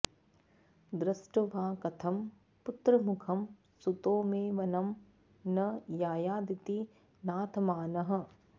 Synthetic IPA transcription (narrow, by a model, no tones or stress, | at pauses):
d̪ɾɪsʈɐʋaːkɐt̪ʰɐm | pʊt̪ɾɐmʊkʰɐm | sut̪oːmẽːʋɐnɐm | nɐjaːjaːd̪it̪i | naːt̪ʰmaːnɐɦɐ̆